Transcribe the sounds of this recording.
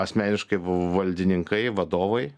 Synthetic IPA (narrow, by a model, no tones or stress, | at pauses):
ɐsʲmʲæːnʲɪʃkɐɪʋɐlʲd̪ʲɪnʲɪŋkɐɪʋɐd̪oːʋɐɪ